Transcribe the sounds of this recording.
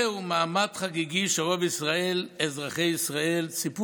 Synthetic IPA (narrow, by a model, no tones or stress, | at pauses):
umaːmad̪χaɡiɡiʃeʁobisʁaelezʁaχejisʁaelt͡sipu